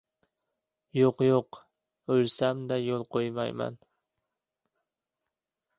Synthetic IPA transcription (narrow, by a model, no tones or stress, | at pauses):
joqjoq | ɵlsamd̪ajolˠqʰojma̰jma̰n